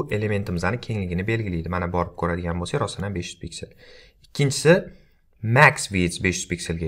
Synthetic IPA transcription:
ʔe̞le̞me̞nt̪ʰɪmɪzanɪkʲʰe̞ŋlɪɡʲɪnɪbe̞lɡʲɪlijd̪ɪmanabɒɾɪp̚kʰɵɾad̪ɪɡʲanbosaɾɒsɪnanbe̞ʃjyz̥pʰikʲsel | ɪkʲʰːɪnt͡ʃʰɪ̥sɪ | maksvit̪sbe̞ʃjyz̥pikʲse̞lɡʲa

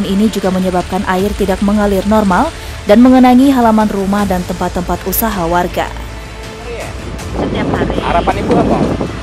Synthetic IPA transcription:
ninid͡ʒuɡaməɲəbap̚kanʔaɪrt̪idak̚məŋalɪrnɔrmal | danməŋənaŋiɦalamanrumahdant̪əmpat̪ːəmpat̪usaɦawarɡa̰ | j | t̪əɲapaɾha̰ɾapanikuat̪a

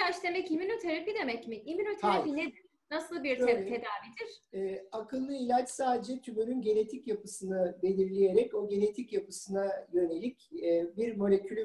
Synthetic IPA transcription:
at͡ʃd̪e̞mɛciminot̪ʰeɾafid̪e̞mɛcmiʔiminot̪ʰaɾafined̪iɾ | nasɯlˠbiɾøet̪ʰe̞d̪aːvid̪iɾ̥ɛːakʰɯlˠːɯilʲat͡ʃsaːd̪ed͡ʒɛt̪ʰybøɾynɟe̞ne̞t̪ʰicjapʰɯsɯnɯbe̞lʲiɾlʲije̞ɾɛco̞ɟe̞ne̞t̪ʰicjapɯsɯnajø̞ne̞lʲicːbiɾmo̞lʲe̞cʰylʲy

